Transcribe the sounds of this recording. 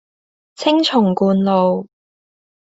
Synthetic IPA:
t͡sʰɪ˥ŋt͡sʰʊ˨˩ŋkuː˨˧nlo˨w

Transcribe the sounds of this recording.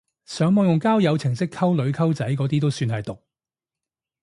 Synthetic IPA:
sœː˨˥ŋmɔː˨˧ŋjʊ˨ŋkaː˥wjɐ˨˧wt͡sʰɪ˨˩ŋsɪ˥kʰɐ˥wlɵ˨˧ɥkʰɐ˥wt͡sɐ˨˥jkɔː˨˥t̪iː˥t̪o˥wsyː˧nɦɐ˨jt̪ʊ˨k̚

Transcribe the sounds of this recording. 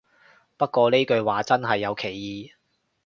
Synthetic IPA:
pɐ˥t̚kʷɔː˧ne˥jkɵ˨˧ɥwaː˨t͡sɐ˥nɦɐ˨jːɐ˨˧wkʰe˨˩jːiː˨˧

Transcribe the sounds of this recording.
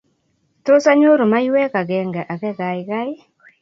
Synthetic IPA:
to˦sa˦ɲo˦ɾo˨ma˦jwɛ˦ka˨ɡɛ˨ŋɡɛ˨ʔa˨kɛ˦ɡa˨ɪka˦ɪ˦

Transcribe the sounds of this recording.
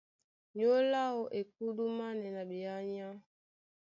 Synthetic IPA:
ɲo˦la˦o˨ʔe˨k̚u˦du˦ma˦nɛ˨na˨bi˨a˦ɲa˦

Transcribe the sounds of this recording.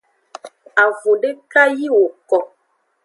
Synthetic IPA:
a˨vo˨ɖe˦ka˦ji˦wo˨kɔ˨

